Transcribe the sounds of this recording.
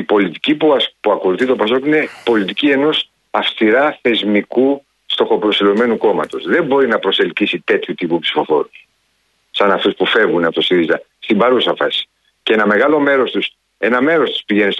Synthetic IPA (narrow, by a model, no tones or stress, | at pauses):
ipo̞lit̪icipuɐpuɐko̞luθit̪o̞pɐso̞kine̞po̞lit̪icie̞no̞s | ɐfst̪iɾɐθe̞zmiku | st̪o̞xo̞pɾo̞silo̞me̞nuko̞mɐt̪o̞sðembo̞ɾinɐpɾo̞se̞lcisit̪e̞t̪çut̪ipupsi̥fo̞fo̞̰ɾus | sɐnɐft̪uspufe̞vɣunɐpot̪o̞siɾizɐ | st̪imbɐɾusɐfɐsi̥ | ce̞nɐme̞ɣɐlo̞me̞ɾo̞st̪us | e̞nɐme̞ɾo̞st̪u̥spiʝe̞nist̪